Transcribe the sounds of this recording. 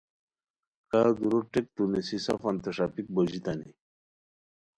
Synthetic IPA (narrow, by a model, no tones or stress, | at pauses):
kad̪uɾoʈek̚t̪unesisɐ̰fɐnt̪ɐʂapik̚bod͡ʑit̪anḭ